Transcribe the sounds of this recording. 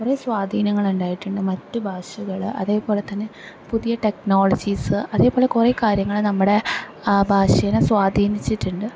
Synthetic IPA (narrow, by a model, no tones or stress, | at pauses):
kuresʋaːd̪ʱiːnɐŋːɐɭuɳɖaːjiʈːuɳɖɨmɐtːubʱaːʂuɣɐɭʔɐ̰ðe̞ːpo̞ːle̞t̪ːɐnːe̞puðijɐʈe̞kno̞ːɭɐd͡ʑiːsɨɐðe̞ːpo̞ːle̞kure̞ːkaːɾjɐŋːɐɭɨnɐmːuɽe̞bʱaːʂɐjɐnesʋaːd̪ʱiːnit͡ɕːiʈːuɳɖɨ